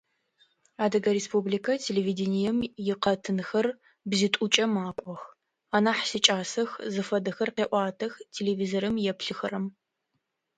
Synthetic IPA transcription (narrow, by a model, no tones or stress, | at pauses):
aːdɐɡɐɾespublikʰɐtʰelevidenijɛmjɪqɐtʰɨnxɐr | bzitʷʼut͡ʃʼɐmaːqʷʼɔx | aːnaːħsɨt͡ʃʼaːsɐxzɨfɐdɐxɐrqeːʔʷɑːtʰɐxtʰeleviːzoɾɨmjɛpɬɨxɐɾɐm